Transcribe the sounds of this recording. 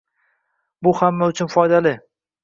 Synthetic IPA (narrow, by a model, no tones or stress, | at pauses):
bʊhamːaʊt͡ʃʰʊnfɒjd̪alɪ